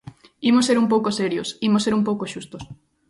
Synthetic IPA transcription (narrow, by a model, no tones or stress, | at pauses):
imoseɾumpowkoseɾjosimoseɾumpowkoʃust̪os